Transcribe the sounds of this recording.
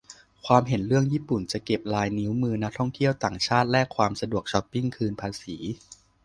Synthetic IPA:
kʰwaː˧mɦe˩˦nɾɯ˥˩əŋjiː˥˩pu˨˩nt͡ɕa˨˩ʔke˨˩p̚laː˧jni˦˥wmɯː˧na˦˥k̚t̪ʰɔ˥˩ŋt̪ʰi˥˩əwt̪aː˨˩ŋt͡ɕʰaː˥˩t̪̚lɛ˦˥kʰwaː˧msa˧du˨˩ək̚t͡ɕʰɔ˦˥pːi˥˩ŋkʰɯː˧npʰaː˧siː˩˦

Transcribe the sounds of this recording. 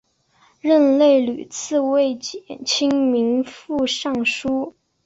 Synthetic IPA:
ɻə˥˧nle˥˩ɪly˨˩t͡sʰɹ̩˥˧we˥˩ɪt͡ɕɛ˨˩nt͡ɕʰi˥ŋmi˧˥ŋfu˥˧ʂɑ˥˩ŋʂu˥

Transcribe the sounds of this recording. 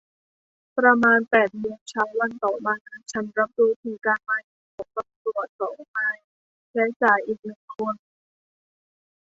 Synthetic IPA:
pɾa˧maː˧npɛː˨˩t̪̚mɯ˧ənt͡ɕʰaː˦˥wa˧nt̪ɔː˨˩maː˧na˧˥nt͡ɕʰa˦˥nɾa˦˥p̚duː˧˩t̪ʰiː˧˩kaː˧nmaː˧jha˨˩kʰɔː˨˩˦ŋt̪a˧mpɾu˨˩ət̪̚sɔː˨˩˦ŋ˧maː˧j | t͡ɕa˦˥t͡ɕaː˨˩jʔiː˨˩k̚nɯ˨˩ŋkʰo˧n

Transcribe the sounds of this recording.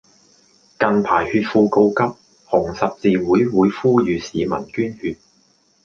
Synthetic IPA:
kɐ˨npʰaː˨˩jhyː˧t̚fuː˧ko˧wkɐ˥p̚ | hʊ˨˩ŋsɐ˨p̚t͡siː˨wuː˨˥jwuː˨˥jfuː˥jyː˨˧siː˨˧mɐ̰˨˩nkyː˥nhyː˧t̚

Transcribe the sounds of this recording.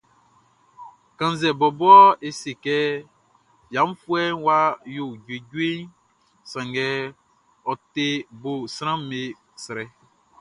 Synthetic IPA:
kã˨n˦zɛ˨bɔ˨bɔ˦ɔ˦e˨se˨kɛ˦ | jã˨˦m˦fu˦ɛ˦nwa˦jo˨d͡ʒwe˨ɟu˦e˦n | sã˨ŋɡɛ˦ | ɔ˨t̪e˦bo˨sɾã˦m˦me˨ | sɾɛ˨

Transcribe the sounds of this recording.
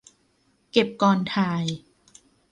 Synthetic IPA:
ke˨˩p̚kɔː˧˩nt̪ʰaː˧j

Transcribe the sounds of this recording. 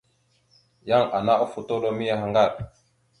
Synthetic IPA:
ja˦ŋa˨na˦ʔo˦fu˨to˦ɗo˦mi˦ja˦ɦa˦ŋɡa˦˨ɾ

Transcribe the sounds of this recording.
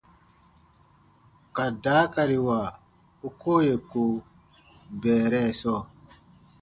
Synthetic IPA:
ka˨daː˨˦ka˨ɾi˨wa˨ | o˦koː˦je˨ko˨ | bɛː˨ɾɛ˦˨sɔː˦˨

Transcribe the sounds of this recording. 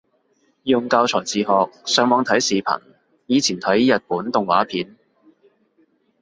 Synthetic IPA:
jʊ˨ŋkaː˧wt͡sʰɔː˨˩jt͡siː˨˧ɦɔː˨k̚sœː˨˥ŋmɔː˨˧ŋt̪ʰɐ˨˥jsiː˨pʰɐ̰˨˩n | jiː˨˧t͡sʰiː˨˩nt̪ʰɐ˨˥jjɐ˨t̚puː˨˥nt̪ʊ˨ŋwaː˨˥pʰiː˨˥n

